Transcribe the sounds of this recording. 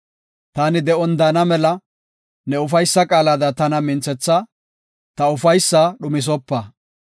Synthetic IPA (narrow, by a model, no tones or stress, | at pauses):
t̪aːnɪd̪ɛʔɔnd̪aːnɐmɛlɐ | nɛʊfɐjsːɐkʼaːlad̪ɐt̪ɐnɐmɪnt͡sːɛt͡sːɐ | t̪ɐʊfɐjsːaɗʊmɪs̬ɔpːɐ